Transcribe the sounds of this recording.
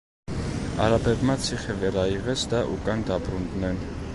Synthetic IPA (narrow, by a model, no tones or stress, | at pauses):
ɑ̰ɾɑbɛvmɑt͡sʰiχəvɛɾɑiʁɛt͡sʰd̪ɑʔukʼɑnd̪ɑbɾund̪nɛn